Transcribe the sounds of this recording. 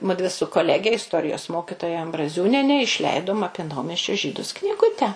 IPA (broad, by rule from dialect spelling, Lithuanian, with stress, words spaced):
ˈmʊdʲʋʲɪ sʊ koːˈlʲæːɡʲɛ ɪsˈtoːrʲɪjoːs ˈmoːkʲɪtoːjɛ ɐmbrɐˈzʲuːnʲiɛnʲɛ ɪʃʲˈlʲɛɪdoːm ˈɑːpʲiɛ ˈnɐʊmʲɛsʲt͡ʃʲoː ˈʒʲiːdʊs knʲɪˈɡʊtʲɛ